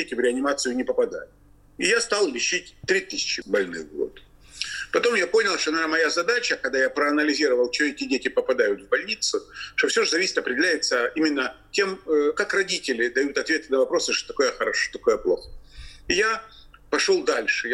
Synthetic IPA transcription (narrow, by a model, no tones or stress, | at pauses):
dʲetʲɪvɾʲɪɐnʲɪmat̪sɨjʊnʲɪpəpɐd̪a̰jʊt̪ | ɪjast̪alˠlʲɪɕːitʲt̪ɾʲit̪ɨsʲɪ̥t͡ɕɪbɐlʲnɨ̰ɣɡo̰t̪ | pɐt̪o̞mjapo̞nʲɪlˠʂt̪onmɐjazɐd̪at͡ɕəkɐɡ̚d̪ajapɾəɐnəlʲɪzʲiɾəvəlˠt͡ɕɪoetʲɪdʲetʲɪpəpɐd̪ajʊt̪vbɐlʲnʲit̪sʊʂt̪ofsʲoʐɨzɐvʲisʲɪt̪ɐpɾʲɪdʲɪlʲæjɪt̪səimʲɪnːətʲe̞məkakrɐdʲitʲɪlʲɪd̪ɐjut̪ɐt̪vʲe̞t̪ɨnəvɐpɾo̞sɨʂt̪o̥t̪ɐko̞jəxəɾɐʂo̥t̪ɐko̞jəplˠo̞̰xə̥ɪja | pɐʂo̞lˠd̪alʲʂɨj